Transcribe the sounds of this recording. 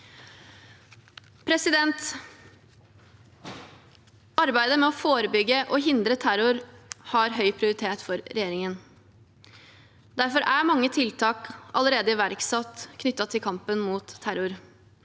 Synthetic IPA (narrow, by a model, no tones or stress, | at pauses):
pʰɾɛsɪd̪ɛnt̪ | ɑɾbæɪd̪əmɛɔfoːɾəbʏɡːəʔɔɦɪnd̪ɾət̪ʰæɾʊɾhɑɾɦœʏpʰɾɪʊɾɪt̪ʰeːt̪fɔɾɾɛjeːɾɪŋən | d̪æɾfɔɾæɾmɑŋːət̪ʰɪlt̪ʰɑːkɑ̰ləɾeːd̪əɪʋæɾksɑt̪kʰnʏt̪ːɑt̪ʰɪlkʰɑmpənmuːt̪ʰːæɾʊɾ